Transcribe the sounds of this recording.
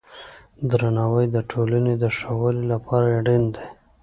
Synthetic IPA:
d̪ɾanɑwəjd̪əʈʰolaned̪əʂawəlilapʰɑɾaaɽind̪e

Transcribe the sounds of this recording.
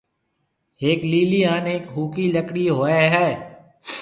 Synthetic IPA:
eːkliːliaːneːkɦuːkiləkɽiɦoːeɦɛː

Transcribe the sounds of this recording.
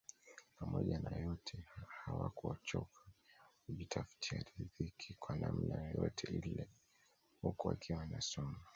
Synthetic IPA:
pamɔʄanajɔtʰɛhawakuɔt͡ʃɔkʰḁ | uʄitʰafi̥tiaɾiðikʰikwanam̩najɔjɔtʰɛilɛ | hukua̰kʰiwanasɔma

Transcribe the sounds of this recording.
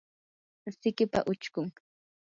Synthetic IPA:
sɪkɪpa̰ʔʊt͡ʃkʊŋ

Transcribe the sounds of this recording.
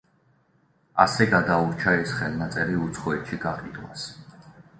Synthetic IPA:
asɛɡad̪auɾt͡ʃʰaɛsχɛlˠnat̪sʼɛɾiut̪sʰχɔɛt̪ʃiɡaqʼid̪wa̰s

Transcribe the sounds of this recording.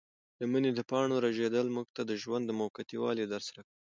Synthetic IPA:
d̪əməned̪əpɑɳ̃oɾaʒed̪əlmuɡ̚t̪ad̪əʒwand̪ːəmokat̪iwɑ̰led̪aɾsaɾak

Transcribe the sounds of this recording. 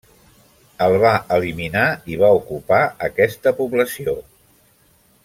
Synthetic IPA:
əlˠβaʔəliminaiβ̞aukupaəkɛst̪əpuβləsio

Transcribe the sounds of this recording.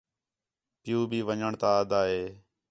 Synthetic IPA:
pɪjũːbʱiːʋəɲəɳt̪aːəd̪aːɦeː

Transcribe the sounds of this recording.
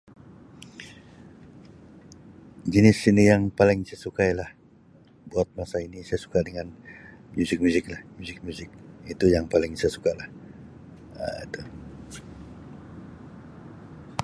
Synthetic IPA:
d͡ʒinɪsinijaŋpalɪŋsajasukajalah | buat̪̚masainisajasu̥kadəŋanmuzɪk̚muzɪklahmuzɪk̚muzɪk̚it̪ujaŋpalɪŋsajasukalah | ə̰ḭt̪u

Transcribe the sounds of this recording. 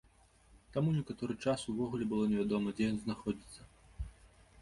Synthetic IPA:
t̪amunʲɛkat̪ɔɾɨt͡ʂasuvɔɣulʲɛbɨlˠɔnʲɛvʲad̪ɔmɐd͡zʲejɔnznaxɔd͡zʲit̪sːɐ

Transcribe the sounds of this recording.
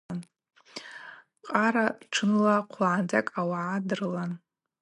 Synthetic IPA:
n | qʼaɾaʈ͡ʂʰɨnlaqʷʰlaʕand͡zakʼawaʕadɨrlan

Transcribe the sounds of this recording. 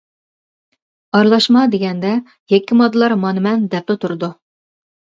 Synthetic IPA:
ɑɾlˠɑʃmɑd̪eɡʲɛnd̪ɛ | jɛkʲːimod̪ːɨlˠɑɾmɑnɨmɛnd̪ɛp̚lɪt̪ʰuɾd̪u

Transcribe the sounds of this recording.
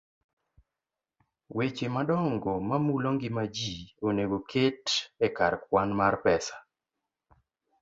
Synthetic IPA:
wet͡ʃemadɔŋɡɔmamuloŋɡɪmad͡ʒioneɡokʰetɛkarkwanmarpɛsḁ

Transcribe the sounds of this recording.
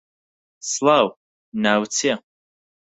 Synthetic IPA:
slaw | nawt͡sʰia

